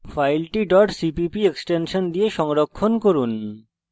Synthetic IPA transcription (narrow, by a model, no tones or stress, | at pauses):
fajlʈiɖɔʈsipipieksʈenʃɔnd̪ijeʃɔŋɾokʰːonkoɾun